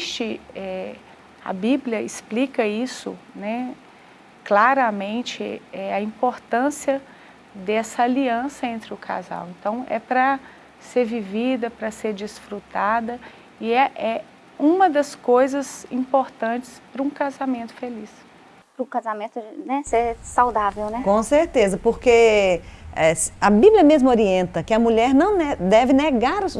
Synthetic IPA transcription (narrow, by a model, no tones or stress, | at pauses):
ʃt͡ʃɪɛ | ɐ̰biblʲjɐɪsplikɐisʊ̰nɛ | klaɾɐmẽnt͡ʃɪ̰ɛɐĩpoɾt̪ɐ̃siɐ | d̪ɛsɐaliɐ̃sɐẽnt̪ɾɪʊkʰa̰za̰wẽnt̪ɐ̃w̃ɛ̰pɾɐ | seɾvivid̪ɐpɾɐseɾd͡ʒisfɾut̪ad̪ɐ | ɪɛʔɛ | ũmɐd̪ɐskojzɐzĩpoɾt̪ɐ̃t͡ʃɪ̥spɾɐũkazamẽnt̪ʊ̥felis | pɾʊkazamẽt̪ʊnɛsesawd̪avewnɛkõseɾt̪ezɐpoɾke | ɛsɐbibljɐmezmʊoɾiẽnt̪ɐkɪɐmuʎɛɾnɐ̃w̃nɛd̪ɛvɪneɡaɾʊ